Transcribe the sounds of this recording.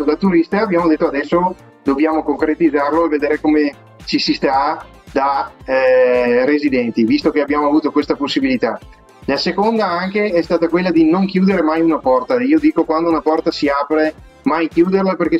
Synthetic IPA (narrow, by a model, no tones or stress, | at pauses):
d̪at̪uɾist̪aabjaːmod̪et̪ːoad̪ɛsːo | d̪objaːmokoŋkɾet̪id̪zːarloeved̪eːɾekome | t͡ʃisist̪a | d̪a | rezid̪ɛnt̪ivist̪okeabːjaːmoavuːt̪okwest̪aposːibilit̪a | lasekond̪aaŋkeɛst̪aːt̪akwelːad̪inoŋkjuːd̪eɾemajunapɔrt̪aiːod̪iːkokwand̪ounapɔrt̪asiaːpɾe | majkjuːd̪erlaperke